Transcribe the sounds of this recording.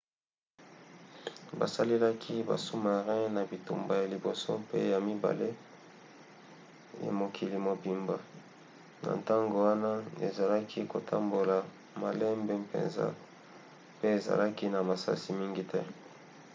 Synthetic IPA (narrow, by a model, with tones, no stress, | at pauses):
ba̰˨sa˦le˦la˦kʰi˦ba̰˨su˦ma˨ʁɛ̃˦na˨bi˨tu˨mba˨ja˨li˨bo˨so̰˦pḛ˦ja˨mi˦ba̰˨le˦ | ja̰˨mo˨kʰi˨li˨mo˨bi˨mba˨ | na̰˨nta˦ŋɡo˨wa˦na˦ḛ˨za˨la˦kʰi˦ko˨tʰa˦mbo˨la˨ | ma˨lɛ˦mbe˨pḛ˨nza̰˦ | pe˦e˨za̰˨la˦ki˦na˨ma˨sa̰˦si˨mi˦ŋɡi˦tɛ˦